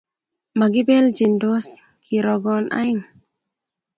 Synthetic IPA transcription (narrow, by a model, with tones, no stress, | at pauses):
ma˨ɡi˦be˦ld͡ʒi˨ndo˦s | kʰi˨ɾo˨ɡɔ˨nʔa̰˦jn